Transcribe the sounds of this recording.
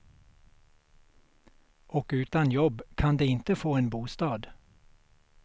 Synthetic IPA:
ʔɔkʉ̟ːt̪anjɔbːkʰand̪eːɪnt̪əfoːeːnbuːst̪ɑːd̪

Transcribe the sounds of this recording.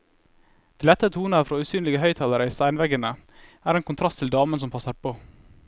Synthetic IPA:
d̪̥ɛːlɛt̪ːət̪ʰuːnəɾfɾoːʉːsyːnlɪɡəhœʏt̪ʰɑləɾəiːst̪æɪnʋɛɡənəæːɾeːnkʊnt̪ʰɾɑst̪ʰɪld̪ɑːmənsɔmpʰɑsəɾpʰoː

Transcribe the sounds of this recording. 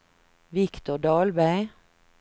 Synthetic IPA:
ʋɪkt̪ʊɖɑːlbæɪ

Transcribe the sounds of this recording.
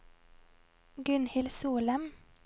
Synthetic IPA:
ɡʉnhɪlsuːləm

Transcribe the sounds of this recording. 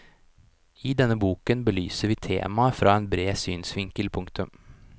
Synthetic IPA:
ɪd̪ɛnːəbuːkənbəlyːsəɾʋiːt̪ʰḛːmɑfɾɑːeːnbɾeːsyːnsʋɪŋkəlpʰʊŋkt̪ʉm

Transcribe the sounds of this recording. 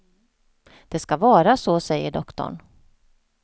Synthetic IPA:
d̪̥ɛskavɑːɾasoːsɛjːəɖɔkt̪ɔ̰ɳ

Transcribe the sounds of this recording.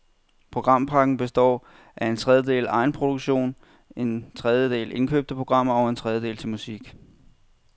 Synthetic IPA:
pʰʁo̝ɡ̥ʁɑ̈m̰pʰɑ̈ɡ̥n̩b̥e̝sd̥ɒ̰ː | ʔæe̝nt͡sʰʁɛð̞ˠjəd̥e̝̰ːlɑ̈ɪn̩pʰʁo̝d̥uɡ̥ɕo̝̰ːn | e̝nt͡sʰʁɛð̞ˠjəd̥e̝̰ːle̝nkʰø̰ːb̥̚d̥əpʰʁo̝ɡ̥ʁɑ̈m̰ɐɒʊe̝nt͡sʰʁɛð̞ˠjəd̥e̝̰ːlt͡sʰe̝lmusiɡ̥

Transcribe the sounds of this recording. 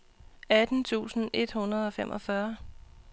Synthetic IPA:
æd̥n̩t͡sʰṵːsn̩ʔe̝d̥hunɐðˠɒ̽femʔɒ̽fɶɐ

